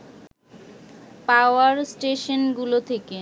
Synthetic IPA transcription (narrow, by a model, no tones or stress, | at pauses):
paoaɾsʈeʃonɡulot̪ʰeke